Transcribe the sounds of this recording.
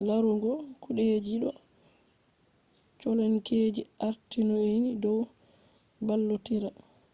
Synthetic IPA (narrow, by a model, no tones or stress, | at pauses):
laɾuɡɔkuɗɛd͡ʒiɗɔ | t͡ʃɔlɛnkeːd͡ʒiaɾtinɔinidɔw | balːotiɾa